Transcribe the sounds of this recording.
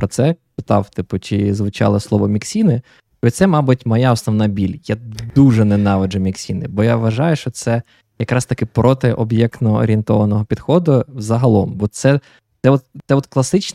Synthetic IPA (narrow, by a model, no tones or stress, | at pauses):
pɾɔt̪sɛpɪt̪ɑwt̪ɪpʊt͡ʃɪzʋʊt͡ʃɑ̰lˠɪslˠɔʋɔmʲiksʲinɪ | t͡ʃɔisɛmɑbʊtʲmɐjaɔsnɔʋnɑbʲilʲjad̪uʒɛnɛnɑʋɐd͡ʒɐmʲiksʲinɪbɔjaʋːɐʒɑjʊʃt͡ʃɔt̪sɛ | jɐkɾɑst̪ɐkɪpɾɔt̪ɪʔɔbjɛkt̪nɔɔ̰ɾʲint̪ɔʋɐnɔɦɔpʲid̪̥xɔd̪ʊzɐɦɐlˠɔmbɔt̪sɛ | t̪ɛɔt̪sɛɔt̪klˠɐsɪt͡ʃ